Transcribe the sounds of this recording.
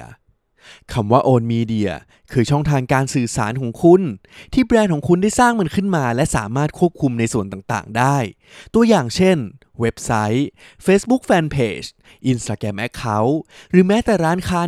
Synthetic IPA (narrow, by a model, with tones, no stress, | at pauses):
kʰa˧mwaː˥˩ʔoː˧nmiː˧di˧ɐ̰ | kʰɯː˧t͡ɕʰɔ˥˩ŋt̪ʰaː˧ŋkaː˧nsɯː˨˩saː˩˦nkʰɔː˩˦ŋkʰu˧n | t̪ʰiː˥˩pɾɛː˧nkʰɔː˩˦ŋkʰu˧nda˥˩jsaː˥˩ŋmɯ˧nkʰɯ˥˩nmaː˧lɛ˦˥ʔsa̰ː˨˩˦maː˥˩t̪̚kʰu˥˩əp̚kʰu˧mna˧jsu˨˩ənt̪aː˨˩ŋt̪a̰ː˨˩ŋdaː˥˩j | t̪u˧ɐjaː˨˩ŋt͡ɕʰe˥˩n | we˦˥p̚sa˦˥j | feː˦˥sbu˦˥k̚fɛː˧npʰeː˧˩t͡ɕ | ʔi˧nst̪aː˧kɾɛ˧mʔɛ˦˥kʰːa˦˥wɾɯː˩˦mɛː˦˥t̪ɛ˨˩ɾaː˦˥nkʰaː˦˥